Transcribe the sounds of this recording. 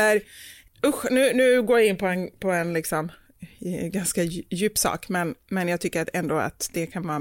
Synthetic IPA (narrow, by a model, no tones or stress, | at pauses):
əɾ | ʊɧnʉ̟ːnʉ̟ːɡoːɾjaɪnːpʰɔɛnpʰɔɛnlɪksɔm | ɡanskajʉ̟ːpsɑ̰ːkmɛnmɛnjɑɡt̪ʰʏkːəɾat̪ɛnd̪oːa̰t̪d̪̥ɛkʰanvɑː